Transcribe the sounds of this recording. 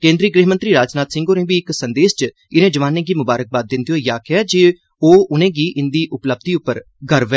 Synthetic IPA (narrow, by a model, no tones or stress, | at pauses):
kẽːnd̪ɾiːɡɾeːɦmənt̪ɾiːɾaːd͡ʒnaːt̪sɪ̃ŋɡonẽːbiːɪksənd̪eːst͡ʃ | ɪnẽːd͡ʒəʋaːnẽːɡiːmʊbaːɾək̚baːd̪̚ɪnd̪ioːjaːkɪɛːd͡ʒɪ | oːʊnẽːɡiːʔɪnd̪iːʔʊpləb̚d̪iːʊpːəɾ | ɡəɾʋɛː